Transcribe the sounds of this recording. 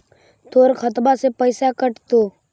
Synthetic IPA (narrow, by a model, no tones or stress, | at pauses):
t̪oːɾkʰət̪basepəɪsakəʈt̪oː